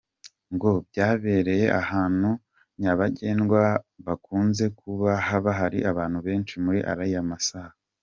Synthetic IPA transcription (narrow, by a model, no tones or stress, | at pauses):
ŋɡo̞bɟaːβe̞ɾe̞je̞ʔahaːn̥hu | ɲaβaɟe̞ːnɡwaβakuːnze̞kʰuβahaβaɦaɾḭʔaβaːn̥huβe̞ːnt͡ʃimuɾiʔa̰ɾaijamasahaa